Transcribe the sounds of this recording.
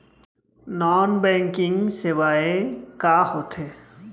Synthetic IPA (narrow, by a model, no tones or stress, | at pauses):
nɔnbɛŋkiŋsewaekahot̪ʰe